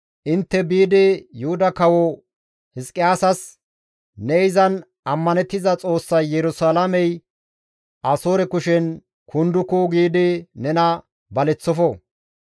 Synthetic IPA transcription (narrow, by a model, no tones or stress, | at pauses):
ʔɪnt̪ːɛbiːd̪ɪjʊhʊd̪ɐkɐwɔ | hɪskʼːɪjaːsɐs | nɛɪzɐn | ɐmːɐnɛt̪ːɪzɐt͡sʼo̞ːsːɐjːɛɾʊsaːlɐmɛj | ʔɐsoːɾɛkʊʃɛn | kʰʊnd̪ʊkʊɡiːd̪ɪnɛnɐ | bɐlɛt͡sːɔfɔ